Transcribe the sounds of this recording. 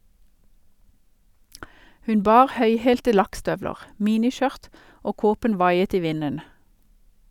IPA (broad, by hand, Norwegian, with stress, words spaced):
ˈhʉn ˈbɑːʁ ˈhœʏheːltə ˈlɑkˌstœʋləʁ ˈmiːnɪˌʃœʁt ˈoː ˈkoːpən ˈʋɑɪət ˈiː ˈʋɪnən